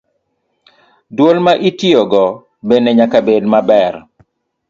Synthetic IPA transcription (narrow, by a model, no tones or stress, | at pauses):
dwolmaʔitioɡɔ | beneɲakabedmabɛr